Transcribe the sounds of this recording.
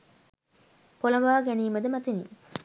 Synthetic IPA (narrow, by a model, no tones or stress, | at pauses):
polɐmaːɡæniːməd̪əmæt̪inḭ